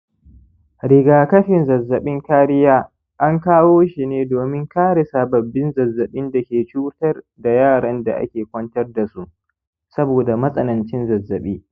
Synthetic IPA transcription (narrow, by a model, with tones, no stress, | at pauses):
ɾɪ˨ɡaː˨kɐ˦ɸɪ˨nzɐ˨zːɐ˨ɓɪ˦ŋkaː˦ɾɪ˦jaː˦ | ʔa˦ŋkaː˦woː˦ʃi˨neː˦doː˨mɪ˦ŋkaː˦ɽe˨saː˨bɐ˨bːɪ˦nzɐ˨zːɐ˨ɓɪ˦nda˨kʲeː˨t͡ʃuː˦tɐ˦r | da˨jaː˦˨ɽɐ˦nda̰˨ʔa̰˦kʲeː˨kʷɐ˦ntɐ˦rda˨su˦ʔ | sɐ˦boː˨da˨mɐ˦sʼɐ˦nɐ˨nt͡ʃɪ˦nzɐ˨zːɐ˨ɓiː˦